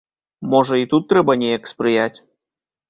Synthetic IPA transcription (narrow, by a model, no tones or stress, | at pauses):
mɔʐɐit̪ut̪ːɾɛbɐnʲejɐkspɾɨjat͡sʲ